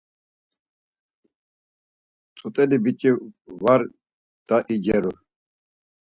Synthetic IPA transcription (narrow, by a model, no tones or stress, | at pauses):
t͡sʼut̪ʼɛlibit͡ʃʼivaɾ | d̪̥aʔid͡ʒɛɾu